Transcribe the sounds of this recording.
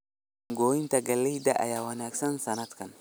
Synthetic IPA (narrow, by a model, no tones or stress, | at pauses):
ŋɡoːɪnt̪ɐɡɐlːɛd̪aʔɐ̰jawɐnaːksɐnsɐnɐt̪kɐn